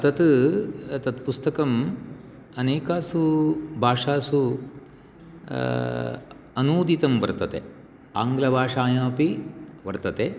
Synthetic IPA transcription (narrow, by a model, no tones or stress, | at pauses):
t̪ɐt̪ | t̪ɐt̪pust̪ɐkɐm | ɐneːkaːsubʱaːʂaːsu | ɐnuːd̪it̪ɐmʋɐ̰ɾt̪ɐt̪ḛ | a̰ːŋɡlɐbʱaːʂaːjaːpiʋɐɾt̪ɐt̪eː